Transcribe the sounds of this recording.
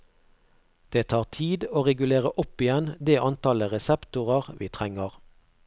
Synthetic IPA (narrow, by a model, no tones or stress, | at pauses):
d̪̥eːt̪ʰɑːʁt̪ʰiːd̪oːʁɛɡʉleːʁəʔʊpɪjɛnd̪eːʔɑnt̪ɑləʁɛsɛpt̪ʊʁəʁʋiːt̪ʰʁɛŋəʁ